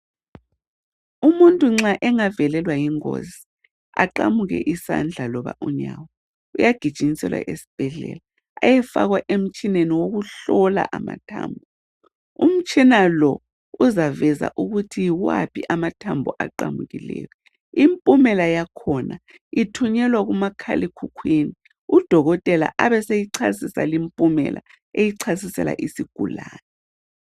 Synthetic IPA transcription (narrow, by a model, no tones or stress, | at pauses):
umuntʼuŋ͡ǁaʔɛŋavɛlɛlwajiŋo̰zi | aǃamuɣɛ̰ʔisa̰nd͡ɮʱalɔβa̰ʔuɲawɔ | ujaɡ̥ʱi̥ʒ̥ʱʼiɲisɛ̰lwa̰ʔesi̥b̥ʱɛɮɛ̰la | ajɛfaɣwaʔem̩t͡ʃʼineniwoɣuɬɔla̰ʔama̰tʰa̰ːmbʱɔ | um̩t͡ʃʼinalɔ | uzavɛza̰ʔuɣutʰijiwa̰pʰiʔamatʰambʱɔʔaǃamuɣilɛ̰ːjɔ | impʼumɛlajakʰɔna | itʰuɲɛlwaɣumakʰa̰likʰukʰwini | ud̥ʱɔɣɔtʼɛla̰ʔaβɛsejiǀʰasisa̰limpʼumɛ̰lʔa̰ | ejiǀʰasisɛla̰ʔisiɡ̥ʱulaːnɛ